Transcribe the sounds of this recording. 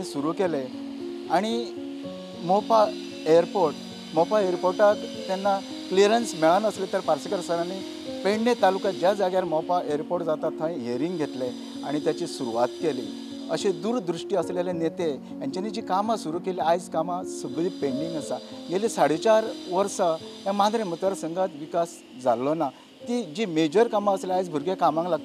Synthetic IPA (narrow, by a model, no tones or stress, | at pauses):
ĩsuɾukele | aɽ̃i | mɔpa | eəɾpoɾʈ | mɔpaeɾpoɾʈat̪ːɛnːa | kliɾensmɛɭanəslet̪əɾpaɾsəkəɾsəɾane | peɳɖẽt̪alukãd͡ʑjad͡zaɡjaɾmɔpaʔeəɾpoʈd͡zat̪at̪ʰːãĩɦeɾiŋɡɡʱet̪le | a̰ɽ̃it̪jat͡ɕisuɾuʋat̪keli | ə̰ɕed̪uːɾd̪ɾuʂʈiːəslelẽnet̪e | jãɲt͡ɕanid͡ʑikamasuɾukeliajd͡zkamasubd̪ipẽɳɖiŋɡəsaɡelisaɽ̤it͡ɕaɾʋəɾsəjãmad̪ɾẽmət̪ʋaɾsəŋɡat̪ʋikas | d͡zʱalːɔna | t̪id͡ʑimed͡ʑəɾkamaəsleajd͡zbʱuɾɡekamãŋklaɡ̚t̪